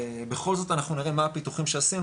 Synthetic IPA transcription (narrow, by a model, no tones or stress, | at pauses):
be̞χo̞lzo̞tanaχnuniʁemaapit̪uχimʃeasinu